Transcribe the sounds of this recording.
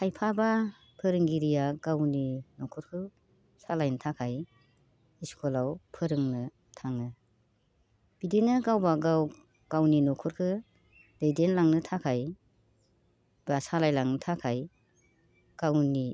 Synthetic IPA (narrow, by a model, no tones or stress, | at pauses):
kʰajpʰaba | pʰɯɾɯŋɡiɾijaɡawninɔkʰɔɾkʰɯ | salajnɯtʰakʰaj | iskʰɔlawpʰɯɾɯŋnɯ | tʰaŋɯ | b̥idinɯɡawbaɡaw | ɡ̥awninɔkʰɔɾkʰɯ | d̥ejdenlaŋnɯtʰakʰaj | basalajlaŋnɯtʰakʰaj | ɡ̥awni